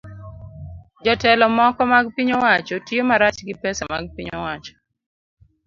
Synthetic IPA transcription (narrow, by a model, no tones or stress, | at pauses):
d͡ʒɔtɛlɔmɔkɔmaɡpiɲowat͡ʃotjomaɾat͡ʃɡɪpɛsamaɡ̚piɲowat͡ʃɔ̥